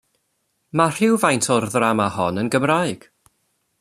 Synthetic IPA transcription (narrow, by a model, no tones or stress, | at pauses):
mar̥ɪwvajntʰɔrðramahɔnənɡəmrajɡ̥